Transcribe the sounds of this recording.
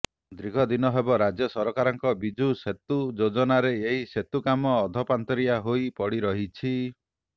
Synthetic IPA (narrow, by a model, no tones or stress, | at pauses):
d̪ɾiɡʱɔd̪inɔɦebɔɾad͡ʒjɔsɔɾɔkaɾɔŋkɔbid͡ʒʱuset̪ud͡ʒod͡ʒɔnaɾeeɦiset̪ukamɔːd̪ʱɔpant̪ɔɾijaɦojpɔɽiɾɔɦit͡ʃʰi